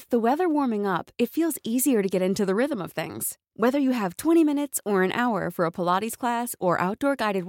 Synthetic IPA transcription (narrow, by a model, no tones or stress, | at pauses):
ððəwɛðə˞wɔɹmɪ̃ŋʌpɨtfilˠziziə˞ɾɨɡɛɾɪ̃ntʉðəɹɪðə̃mʌv̥θɪ̰̃ŋz̥ | wɛðə˞jɨːv̥tʰw̥ɛ̃ɾ̃imɪ̃ñɨtsə˞ɨ̃nʔa̰ʊə̰˞fə˞əpʰəlɑɾiz̥kʰl̥æsə˞ʔa̰ʊt̚d̥ɔɹɡaɪɾɨd̚w